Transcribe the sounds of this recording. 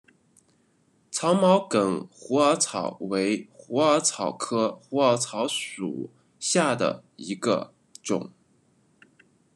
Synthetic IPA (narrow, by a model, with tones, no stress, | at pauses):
t͡sʰɑ˧˥ʊmɑ˧˥ʊkə˨˩ŋxu˧˥ə˞˧˥t͡sʰɑ˨˩ʊwe˧˥ɪxu˧˥ə˞˧˥t͡sʰɑ˨˩ʊkʰɤ˥xu˧˥ə˧˥t͡sʰɑ˧˥ʊʂṵ˨˩ | ɕja˥˩d̪ə̰˩i˧˥ɡə̰˧ | ʈ͡ʂʊ̰˨˩˦ŋ